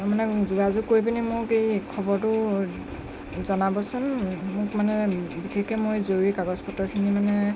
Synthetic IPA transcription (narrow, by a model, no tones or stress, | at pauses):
manɛzuɡazukoɹjpinimʊɹkejkʰɔbɔɹtʊ | zɔnabɔsʊnmʊkmanɛbikʰekɛmojzoɹuɹikaɡɔspʰɔtɔɹkʰinimanɛ